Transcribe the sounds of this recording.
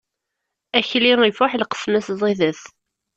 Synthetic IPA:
æçliŋifʊħlqə̥smæszˤiðəθ

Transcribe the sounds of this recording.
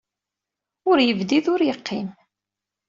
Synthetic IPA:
ʊɾjəvd̪iðʊɾjəqʰːɪm

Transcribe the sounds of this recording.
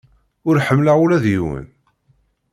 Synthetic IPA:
ʊɾħəmːlaulæðjiwə̰n

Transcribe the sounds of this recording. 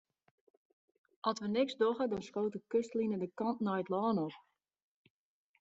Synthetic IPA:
ʔɔsʋənɪksdɔχədɔnskoːtəkøstlinədəkɑntnɔjətlɔːnɔp

